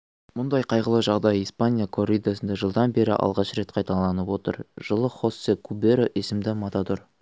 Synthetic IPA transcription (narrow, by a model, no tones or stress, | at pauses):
mʊnd̪ɑjqʰɑjʁəlˠəʒɑʁd̪ɑjijspanʲijakʰorɾʲijd̪asənd̪ɑʒəlˠd̪ɑnbe̞ɾɪ̰ʔɑ̰lˠʁɑʃɾe̞t̪qʰɑjt̪ɑlˠɑnəpwo̞t̪ə̰ɾʒ̥əlˠəχo̞sekʰubeɾoʔesɪmd̪ɪmɑt̪ɑd̪oɾ